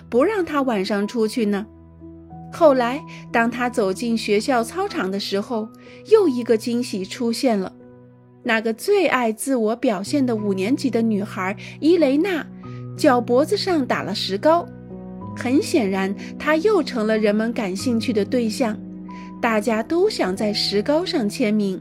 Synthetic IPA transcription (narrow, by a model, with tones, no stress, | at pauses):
pu˧˥ɻɑ˥˩ŋt̪ʰa˥wa˨˩nʂɑ˥˧ŋʈ͡ʂʰu˥t͡ɕʰy˥˩nə˩ | xo˥˩ʊla˧˥ɪt̪ɑ˥ŋt̪ʰa˥t͡so˨˩ʊt͡ɕi˥˩nɕɥɛ˧˥ɕjɑ˥˩ʊt͡sʰɑ˥ʊʈ͡ʂʰɑ˨˩ŋd̪ə˦ʂɻ̩˧˥xo˥˧ʊ | jo˥˩ʊi˧˥ɡə˧t͡ɕi˥ŋɕi˨˩ʈ͡ʂʰu˥ɕjɛ˥˩nlə̰˩ | na˥˩ɡə˩t͡swe˥˧ɪʔa˥˧ɪt͡sɹ̩˥˩wɔ˧˥pjɑ˨˩ʊɕjɛ˥˩nd̪ə˩u˨˩njɛ˧˥nt͡ɕi˨˩d̪ə˦ny˨˩xə˞˧˥i˥le˧˥ɪna˥˩t͡ɕjɑ˨˩ʊpwɔ˧˥d͡zɹ̩˧ʂɑ˥˩ŋt̪a̰˨˩lə˦ʂɻ̩˧˥kɑ˥ʊ | xə˧˥nɕjɛ˨˩nɻa˧˥n | t̪ʰa˥jo˥˩ʊʈ͡ʂʰɤ˧˥ŋlə˧ɻə˧˥nmə˧nka˨˩nɕi˥˧ŋt͡ɕʰy˥˩d̪ə˩t̪we˥˧ɪɕjɑ˥˩ŋ | t̪a˥˩t͡ɕja˥t̪o˥ʊɕjɑ˨˩ŋt͡sa˥˩ɪʂɻ̩˧˥kɑ˥ʊʂɑ˥˩ŋt͡ɕʰjɛ˧˥nmi˧˥ŋ